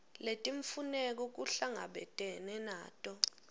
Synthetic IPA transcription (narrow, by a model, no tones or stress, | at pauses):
letʼiɱfunɛk̬ɔk̬uɬaŋa̰ɓɛ̰tʼɛnɛna̰ːtʼɔ